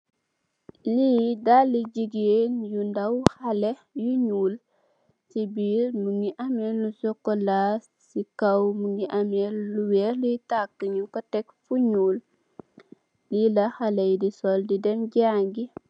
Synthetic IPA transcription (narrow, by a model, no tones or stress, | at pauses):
liːdalːiɟiɡeːnjundɐwxalejuɲuːl | sibiːɾmuŋɡiʔamɛlːusɔkːɔlaːs | sikɐwmuŋiʔamɛlluwɛːɾlutakːəɲukɔtɛkfuɲuːl | lilɐxalɛjdisɔldidɛmɟaːŋɡi